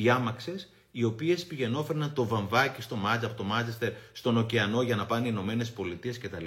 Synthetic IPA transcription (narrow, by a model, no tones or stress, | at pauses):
iɐmɐkse̞s | io̞pie̞spiʝe̞no̞fe̞ɾnɐnt̪o̞vɐɱvɐcist̪o̞mɐt͡sɐpot̪o̞mɐt͡sest̪e̞ɾst̪o̞no̞ceɐno̞ʝɐnɐpɐneino̞me̞ne̞spo̞lit̪ie̞sce̞t̪ɐli